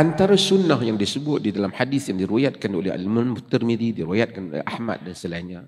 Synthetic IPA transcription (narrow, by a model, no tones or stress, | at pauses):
ant̪aɾasunːahjaŋdisəbʊt̪̚didalamhadɪsjaŋdiɾuwajat̪̚kanolɛɦa̰lmanmut̪ərmididiɾiwajat̪̚kan̰ʔahma̰t̪̚dansəlaiɲa